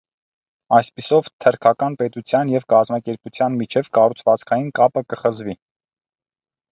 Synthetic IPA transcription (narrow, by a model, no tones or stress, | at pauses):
ɑjspisɔvt̪ʰəɾkʰɑkɑnpɛt̪ut͡sʰjɑnjɛvkɑzmɑkɛɾput͡sʰjɑnmit͡ʃʰɛvkɑrut͡sʰvɑt͡skʰɑjinkɑpəkəχəzvi